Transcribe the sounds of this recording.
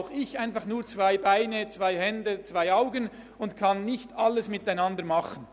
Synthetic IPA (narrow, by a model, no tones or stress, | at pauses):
ʊxɪçaɪnfɑχnuːɐt͡svaɪbaɪnət͡sv̥aɪhɛndət͡sv̥aɪaʊɡən | ʊntkʰɑnːɪçtɑlːəsmɪtaɪnɑndəmɑχən